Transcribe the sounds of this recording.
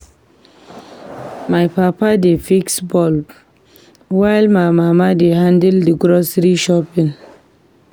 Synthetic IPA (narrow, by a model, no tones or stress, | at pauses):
majpapadefiksbɔl | wajlmajmamadehãndɛldiɡɾɔsɾiʃɔpĩn